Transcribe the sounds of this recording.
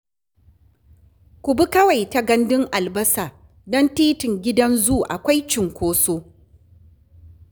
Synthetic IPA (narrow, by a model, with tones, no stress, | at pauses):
kʷʊ˨bi˦kɐ˦wa˨jta˨ɡɐ˦ndɪ˦ŋʔa˨lbɐ˦saː˨ | dɔ˦ntiː˦tɪ˨ŋɡʲɪ˦dɐ˦nzu˦ʔa̰˨kʷa˦jt͡ʃɪ˨ŋkʷoː˦soː˦